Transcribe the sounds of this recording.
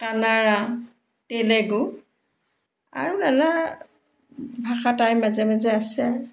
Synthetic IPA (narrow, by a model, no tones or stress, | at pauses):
kanaɹa | telɛɡu | a̰ɹunana | bʱaxatajmazɛmɛzɛasɛaɹu